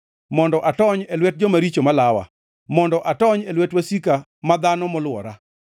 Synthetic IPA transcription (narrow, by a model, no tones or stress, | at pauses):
mɔndɔʔatɔɲelwɛt̚d͡ʒɔmaɾit͡ʃomalawa̰ | mɔndɔʔatɔɲelwɛtwasika | mad̪anɔmɔlwɔɾa